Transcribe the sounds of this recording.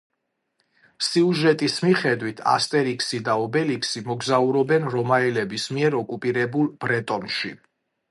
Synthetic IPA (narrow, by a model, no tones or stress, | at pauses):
siuʒɛt̪ʼismiχɛd̪wit̪ʰa̰st̪ʼɛɾiksid̪aɔbɛliksimɔɡzauɾɔbɛnɾɔmaɛlɛbismiɛɾɔkʼupʼiɾɛbulˠb̥ɾɛt̪ʼɔnʃḭ